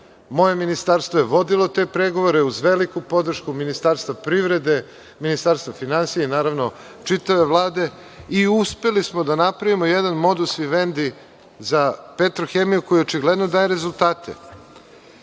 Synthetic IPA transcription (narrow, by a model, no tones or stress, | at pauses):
mo̞jeminist̪aɾst̪voje̞ʋo̞d̪ilo̞t̪e̞pɾeɡo̞ʋoɾe̞uzʋelikupo̞d̪r̩ʃkuminist̪aːɾst̪vʋapɾiʋɾe̞d̪e̞ | minist̪aɾst̪ʋafinansijeinaːɾaʋno̞ | t͡ʂit̪aʋe̞ʋlˠaːd̪e̞ | iuspe̞lismo̞d̪anapɾaʋimojed̪anmo̞d̪usʋiʋe̞nd̪i | zapet̪ɾoxemijuko̞jot͡ʃiɡled̪nod̪aːje̞ɾezulˠt̪aːt̪ʰe̞̰